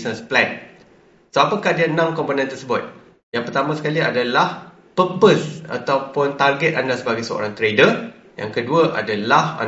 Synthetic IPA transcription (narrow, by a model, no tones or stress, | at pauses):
nəsplɛn | soapakahdiaənãmkɔmponɛ̃nt̪ərsəbʊt̪̚ | jaŋpərt̪amãsə̥kaliadalah | pəpəsa̰t̪awpʊnt̪arɡɛt̪andasəbaɡajsəo̰ɾaŋt̪ɾedər | ja̰ŋkəduaʔa̰dalaha̰